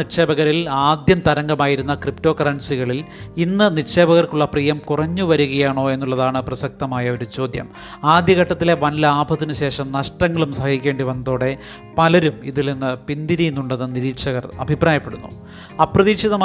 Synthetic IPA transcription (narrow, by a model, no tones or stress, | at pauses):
iʂeːbɐɣɐɾilaːd̪jɐmt̪ɐɾɐŋɡɐmaːjiɾun̪ːɐkripto̞ːkɐrɐɳsiɣɐɭilinːɨnirʂe̞ːbɐɣɐrkuɭːɐpriːjɐmkurɐɲːuʋɐɾuɣɐjaːɳo̞ːe̞nːuɭːɐðaːɳɨprɐsɐk̚t̪ɐmaːjɐo̞ɾut͡ɕo̞ːd̪jɐ̰m | aːd̪jɐɣɐʈːɐt̪ːile̞ʋɐnlɐaːbʱɐt̪ːinɨɕe̞ːʂɐmnɐʂʈɐŋːɐɭumsɐhɐɣikʲːe̞ːɳɖiʋɐnːɐðo̞ːɽe̞ | pɐlɐɾumḭðilninːɨpind̪iɾijunːuɳɖɐðɨniɾiːkʂɐɣɐrɐ̰bʱipraːjɐpːe̞ɽunːṵ | ɐprɐðiːkʂiðɐm